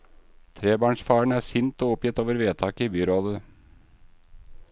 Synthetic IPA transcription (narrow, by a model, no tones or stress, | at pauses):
t̪ʰɾeːbɑːɳʂfɑːɳ̩æːsɪnt̪ɔːʊpjɪt̪oːʋəɾʋeːt̪ʰɑːkəibyːɾoːlə